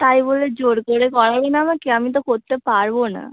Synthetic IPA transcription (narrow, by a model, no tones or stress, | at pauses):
t̪aiboled͡ʒoɽkoɽekɔɽabenamakiamit̪̬okoɾt̪epaɾbona̰